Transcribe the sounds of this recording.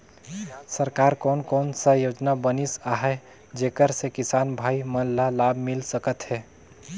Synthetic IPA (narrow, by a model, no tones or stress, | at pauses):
səɾkaɾkɔːnkɔːnsəjod͡ʒnabənisaɦɛ | d͡ʒekəɾsekisaːnbʱaːimənllːalabʱmilsəkət̪ɦɛ